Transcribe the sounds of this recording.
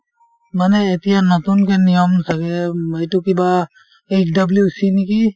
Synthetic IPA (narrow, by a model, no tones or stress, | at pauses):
manɛːt̪ijanɔt̪unkenijɔmsakɛajtukiba | et͡ʃdɐbljusiniki